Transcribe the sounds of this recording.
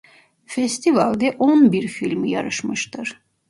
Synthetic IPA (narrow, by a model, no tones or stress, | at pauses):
fɛst̪ʰivalʲd̪ɛʔonbiɾfilʲmija̰ɾɯʃmɯʃt̪ʰɯɾ̥